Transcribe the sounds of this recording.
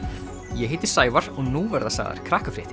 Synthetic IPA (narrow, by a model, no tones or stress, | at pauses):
jɛɦɪːjt̪ɪ̥saːjvaɾ̥ɔɣnuːvɛɾðasa̰ːɣða̰ɾ̥kʰɾaːhkafɾɪht̪ɪ̥